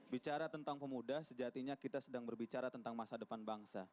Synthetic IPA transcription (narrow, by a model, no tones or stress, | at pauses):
bit͡ʃaɾat̪ənt̪aŋpəmudahsəd͡ʒat̪iɲakit̪asədaŋbərbit͡ʃaɾat̪ənt̪aŋmasadəpanbaŋsa